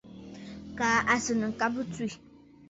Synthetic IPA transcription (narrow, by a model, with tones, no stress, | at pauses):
kaː˨ʔa˨sɨ˨nɨ˨ŋ̩˨ka˦bɨ˦twi˦˨